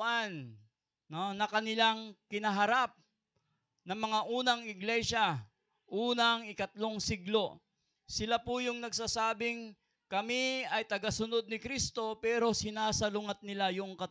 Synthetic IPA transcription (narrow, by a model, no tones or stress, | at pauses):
ʔanː | onɐkɐnɪlaŋkɪnɐɦɐɾap̚ | nɐŋmɐŋaʔuːnɐŋɪɡlɛʃa | ʔuːnɐŋɪkɐt̪lo̞ŋsiɡlo̞ | sɪlapʊjʊŋnɐɡsaːsaːbɪŋ | kɐmiɐjt̪ɐɡasʊno̞d̪̚nɪkɾist̪o̞pɛːɾo̞sɪnaːsɐlʊŋɐt̪̚nɪlajʊŋkɐt